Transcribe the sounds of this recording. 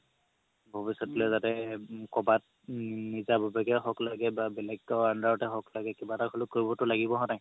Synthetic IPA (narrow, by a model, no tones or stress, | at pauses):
bʱɔbisɔtlɛzatɛkɔbat̚ | nizabʱɔbaɡɛɦɔklaɡɛbabɛlɛɡ̚tɔandaɹɔtɛɦɔklaɡɛkibatakʰɔlʊkːoɹibɔtʊlaɡibɔɦɔnaj